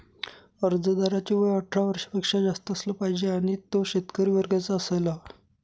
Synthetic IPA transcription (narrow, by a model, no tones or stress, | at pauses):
əɾd͡zəd̪aɾat͡ɕiʋəjəʈʰɾaʋəɾʂə̥pekʂad͡zast̪əəsləpaɦid͡ʑeaɽ̃it̪oɕet̪kəɾiːʋəɾɡat͡saːsela